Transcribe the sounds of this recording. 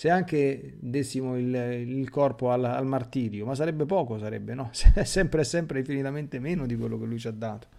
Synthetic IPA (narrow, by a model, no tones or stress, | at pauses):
seaŋk̟e | d̪esːimoililkɔrpoala̰lmart̪iːɾjomas̬ːaɾɛbːepɔːkosaɾɛ̰bːenɔsɛsːɛmpɾeɛsːɛmpɾeiɱfinit̪ament̪emeːnod̪ikwelːok̟elujt͡ʃad̪ːaːt̪o̥